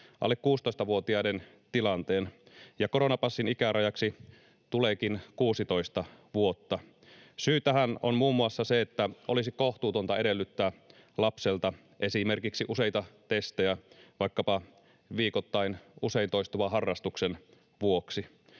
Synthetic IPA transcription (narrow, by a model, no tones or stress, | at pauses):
ʔɑ̰lːekkuːst̪o̞ist̪ɑʋuot̪iɑden | t̪ilɑnt̪eːnjɑkoɾonɑpɑsːinikæɾɑjɑksi | t̪uleːkinkuːsit̪o̞ist̪ɑʋuot̪ːɑ | syːt̪æhæno̰nmuːmːuɑsːɑseet̪ːæʔo̰lisikoht̪uːt̪o̞nt̪ɑedelːyt̪ːæː | lɑpselt̪ɑ | ʔe̞simerkiksiʔuseijt̪ɑt̪est̪ejæʋɑikːɑpɑ | ʋiːkot̪ːɑinuse̞int̪oist̪uʋɑɦɑrːɑst̪uksen | ʋuoksi